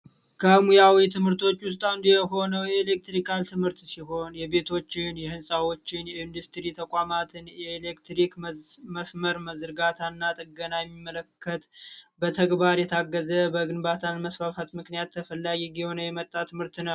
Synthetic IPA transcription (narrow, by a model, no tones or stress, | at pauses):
kʰəmujawit̪ʰɨmhɨɾt̪ʰo̞t͡ʃːwʊst̪ʼand̪jɛɦo̞nəwjɛːle̞k̚t̪ɾikʰalt̪ʰɨmhɨɾt̪siɦo̞njɛbe̞t̪ʰo̞t͡ʃːɪnjɛhɨnsʼawo̞t͡ʃːɪnjɛɨnd̪ust̪ɾit̪ʰəkʷʼamat̪ʰɨnjɛelekt̪ɾikməsməɾməzɨɾɡat̪ʰanːat̪ʼəɡənajɛmːimːələkʰːət̪bət̪ʰəɡbaɾjɛt̪ʰaɡːəzəbəɡɨnbat̪ʰanməsfafat̪mɨknijat̪ʰːəfəlːaɡiɡiho̞nəjɛmət̪ʼːat̪ʰɨmhɨɾt̪nəw